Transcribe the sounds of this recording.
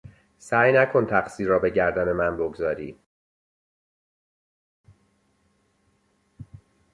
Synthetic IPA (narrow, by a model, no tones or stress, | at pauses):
sæːjnækʰo̞nt̪ʰæxsiːɾɒːbe̞ɟæɾd̪æne̞mænboɡzɒːɾiː